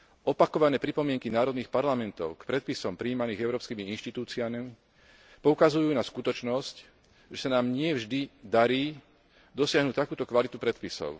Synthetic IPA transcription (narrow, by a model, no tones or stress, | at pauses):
ɔpakɔʋanɛːpɾipɔmɪɛŋkinaːɾɔd̪niːxpaɾlamɛnt̪ɔʊkpɾɛt̪̚pisɔmpɾiːmaniːɣɛʊɾɔːpskiːmiinʃt̪it̪uːt͡siamimi | pɔukazujuːnaskut̪ɔt͡ʃnɔsc | ʒɛsanaːmɲɪɛvʒd̪id̪aɾiː | d̪ɔsɪaɦnuct̪akuːt̪ɔkʋalit̪upɾɛt̪pisɔ̰ʊ